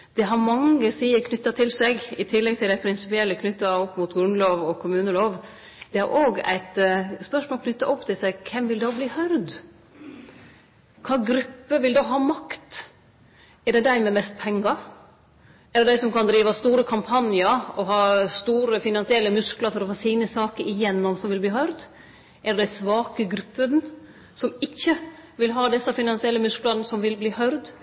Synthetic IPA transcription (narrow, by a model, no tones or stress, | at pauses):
d̪̥ɛɦɑɾmɑŋːəsiːəɾkʰnʏt̪ːɑt̪ʰɪlsɛɡɪt̪ʰɪlːɛɡ̚t̪ʰɪld̪æɪpʰɾɪnsɪpɪɛlːəkʰnʏt̪ːɑɔpːmʊːt̪ɡɾʉnloːʋɔkʰʊmʉːnəloːʋ | d̪̥ɛæ̰ɾʔoːɡæ̰ɪt̪spœʂmoːlkʰnʏt̪ːɑʔɔpːt̪ʰɪlsæɡkʰɛmʋɪld̪oːbliːhœɾd̪ | kʰɑːɡɾʉpːəʋɪld̪oɦɑːmɑkt̪ | ɛd̪ɛd̪æɪmɛmɛst̪̚pʰɛŋːɑ | ɛd̪ɛd̪æɪsɔmkɑnd̪ɾiːʋɑst̪uːɾəkʰɑmpʰɑnjəɾɔhɑːst̪uːɾəfɪnɑnsɪɛlːəmʉsklɑɾfɔɾɔfoːsiːnəsɑːkəɾɪjɛnːɔmsɔmʋɪlbliːɦœʏɾd̪ | ʔɛd̪ɖ̪æɪsʋɑːkəɡɾʉpːən | sɔmɪçːəʋɪlɦɑːd̪ɛsːɑfɪnɑnsɪɛlːəmʉsklɑnnəsɔmʋɪlbliːhœʏɾd̪